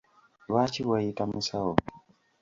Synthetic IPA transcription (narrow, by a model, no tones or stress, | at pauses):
wat͡ʃiwaitamisaɔ